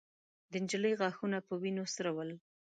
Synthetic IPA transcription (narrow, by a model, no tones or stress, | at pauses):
d̪ənd͡ʒələjɣɑxunapəwinosəɾawəl